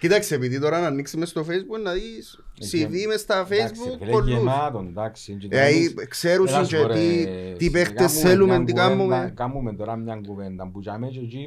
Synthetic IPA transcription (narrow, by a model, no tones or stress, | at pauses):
kit̪aksiep̬iðit̪oɾananːiksimest̪ofejzbunːaðis | sivimest̪afejzbukolut̪ond̪aksieaikseɾusint͡ʃet̪it̪ipext̪eselument̪ikamːumekamːument̪oɾamɲaŋɡuvend̪ambut͡ʃamet͡ʃot͡ʃi